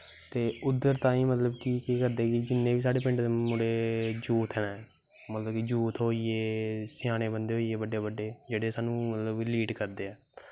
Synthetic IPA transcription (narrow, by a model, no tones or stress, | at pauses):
t̪eːʊd̪ːəɾt̪ãːiːmət̪ləbkikekəɾd̪eːkid͡ʒɪnːẽːbiːs̬aːɽeːpɪ̃ɳʈd̪emʊɽeːd͡ʒuːt̪ʰɦɛːnː | mət̪ləbkid͡ʒuːt̪ɦoːiːeːsɪjaːñeːbənd̪eːɦoːiːeːbəɖeːbəɖeːd͡ʒeːɽeːsaːnũːmət̪ləbliːʈkəɾd̪eːɛː